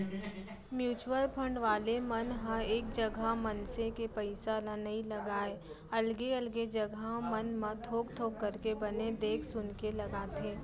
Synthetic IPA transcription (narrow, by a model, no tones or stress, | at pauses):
mjuːt͡ʃuwəlpʰə̃ɳɖʋaːlemɐnɦãeːk̚d͡ʒɐɡʱamɐnsekepɐɪsalãnɐɦĩlɐɡaːe | ɐlɡeɐlɡed͡ʒɐɡʱamɐnmãt̪ʰoːkt̪ʰoːkkːɐɾkebɐned̪eːkʰsʊnkelɐɡaːt̪ẽː